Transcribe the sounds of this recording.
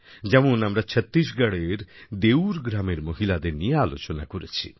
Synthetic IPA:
d͡ʑɛmonamɾat͡ɕʰɛt̪ːɾiʃɡaɽeɾd̪ewɾɡɾameɾmoɦilad̪eɾnijaːlot͡ɕona̰koɾet͡ɕʰḭ

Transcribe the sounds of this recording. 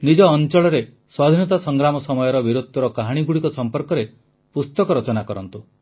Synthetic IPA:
nid͡ʒɔːnt͡ʃɔɭɔɾe | swad̪ʱinɔt̪asɔŋɡɾamɔsɔmɔjɔɾɔbiɾut̪̚ːɔɾɔkaɦaɽ̃iɡuɽikɔsɔmpɔɾkɔɾe | pust̪ɔkɔɾɔt͡ʃɔnakɔɾɔnt̪u

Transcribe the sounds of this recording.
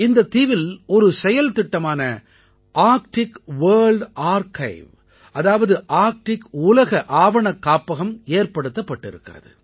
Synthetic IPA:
ɪnd̪ɐt̪iːʋɪlɔɾɯsɛjɐlt̪ɪʈːɐmaːnɐ | ʔaːɾkʈɪkʋɐːɾɭɖaːɾkɐɪʋ | ʔɐðaːʋɐðɯʔaːɾk̚ʈɪkʊlɐɣɐʔaːʋɐɳɐkːaːpːɐɣɐmeːɾpɐɽɯt̪ːɐpːɐʈːɪɾɯkːɪrɐ̰ðɯ̰

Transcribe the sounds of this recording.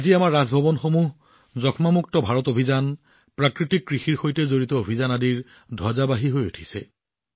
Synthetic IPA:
aziamaɹːazbʱɔbɔnxomuɦ | zɔkʰmamuk̚tɔbʱaɹɔtobʱizan | pɹakɹitikːɹixiɹxojtɛzoɹitɔobʱizanadiɹ | dʱazabaɦiɦojutʰi̥sɛ̰

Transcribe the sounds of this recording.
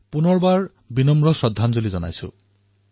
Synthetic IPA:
punɔɹbaɹ | binɔmɹɔsɔdʱːanzolizɔna̰jsʊ̰̃

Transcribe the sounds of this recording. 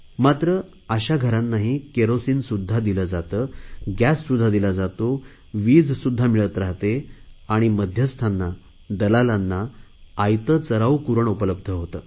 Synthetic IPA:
mat̪ɾə | aɕaɡʱəɾanːaɦikeɾosiːnsud̪ʱːad̪iləd͡zat̪əːɡjæsːud̪ʱːad̪ilad͡zat̪o | ʋiːd͡zsud̪ʱːamiɭət̪ɾaɦt̪eaɽ̃iməd̪ʱjəst̪ʰanːa | d̪əlalanːaːjt̪ət͡səɾaukuɾəɳupələb̚d̪ʱəɦot̪əː

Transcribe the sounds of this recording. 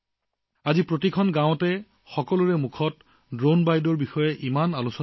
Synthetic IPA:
azipɹotikʰɔnɡãw̃tɛ | xɔkɔlʊɹɛmukʰɔt | dɹonbajdɔɹbixɔjɛʔimanalusɔ

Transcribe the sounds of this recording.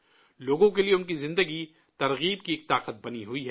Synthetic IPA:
loːɡõkelieʊnkizɪ̃nd̪əɡi | t̪ɐɾɣiːb̚kieːk̚t̪aːqət̪̚bɐniɦʊiɦɛː

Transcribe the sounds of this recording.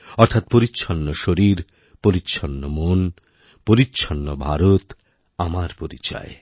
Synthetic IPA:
ɔɾt̪ʰat̪̚poɾitːɕʰɔnːoʃoɾiɾ | poɾitːɕʰʃʰɔnːomon | poɾitːɕʰɔnːobʱaɾot̪ | amaɾpoɾḭt͡ɕa̰e

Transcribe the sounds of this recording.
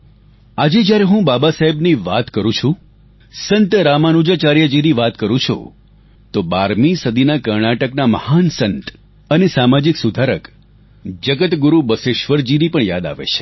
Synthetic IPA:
ad͡ʒed͡ʒjaɾeɦũbabasaɦebniʋat̪kəɾũt͡ʃʰũ | sənt̪ɾamanud͡ʒat͡ʃaɾjəd͡ʒiniʋat̪kəɾũt͡ʃʰo̰ | t̪obaɾmisəd̪inakəɾɳaʈəknaməhansənt̪ | ənesamad͡ʒiksud̪ʱaɾək | d͡ʒəɡət̪ɡuɾubəseʃʋəɾd͡ʒinipəɳja̰d̪a̰ʋḛt͡ʃʰe̥

